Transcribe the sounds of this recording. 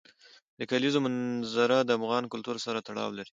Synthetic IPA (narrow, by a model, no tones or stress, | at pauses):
d̪əkalizomanzaɾad̪əafɣɑnkʊlt̪uɾsaɾat̪aɽɑ̰wlaɾi